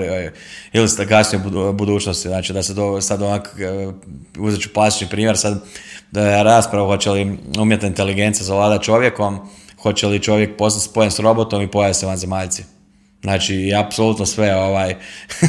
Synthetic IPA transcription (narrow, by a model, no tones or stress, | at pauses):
ilisɡasnijubud̪uːt͡ʃnost̪iznaːt͡ʃid̪ased̪osad̪onak | uzet͡ʃu̥plˠast̪i̥t͡ʃnipɾiːmje̞ɾsad̪ | ɾaːspɾaʋuxo̞t͡ɕeliuːmjet̪naint̪e̞liɡe̞nt̪sijazaʋlaːd̪at̪t͡ʃo̞ʋje̞ko̞mxo̞t͡ɕelit͡ʃo̞ʋje̞k̚po̞snat̪ʲspojensɾo̞bot̪o̞mipojaʋit̪seʋanzemaʎt̪si | znaːt͡ʃiːapsoluːt̪nosʋeoʋaj